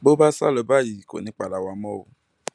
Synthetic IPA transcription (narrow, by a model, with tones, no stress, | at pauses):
bo˦ba˦sa˦lɔ˨ba˦˨ji˨ko̰˨nĩ˨˦k͡pa˨la˨wa˨mɔ̃˦wo̰˨